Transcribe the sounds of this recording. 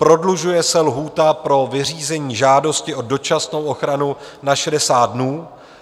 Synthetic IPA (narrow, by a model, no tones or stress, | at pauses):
pɾo̞dluʒujɛsɛlɦuːt̪apɾo̞vɪriːzɛɲiːʒaːdo̞scɪʔo̞do̞t͡ʃasno̞wʔo̞xɾanunaʃɛdɛsaːt̪̚dnuː